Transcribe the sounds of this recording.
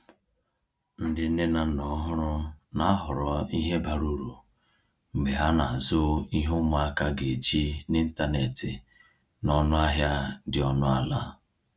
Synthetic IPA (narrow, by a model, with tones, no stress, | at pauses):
n̩˦dɪ˨n̩˦ne˦na˨nɔ˨ɦʊ˦ɾʊ˦na˦a˦ɦʊ˨ɾɔ˨˦i˦ɦe˦ba˨ɾu˦ɾu˨ | ŋ͡m̩˨ɡ͡be˨ɦa˦na˨zʊ˦i˦ɦʊ˦mʊ˨˦a˦ka˦ɡe˨d͡ʒi˦nɪ˦n̩˦ta˦ne˨tɪ˨ | nɔ˦nʊ˦a˦ɦja˦dɪ˨ɔ˦nʊ˦a˦la˦